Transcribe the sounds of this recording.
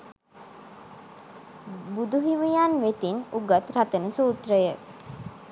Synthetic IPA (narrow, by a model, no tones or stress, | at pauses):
bud̪uɦiʋijaːnʋet̪inuɡat̪ɾat̪ənəsuːt̪ɾəjə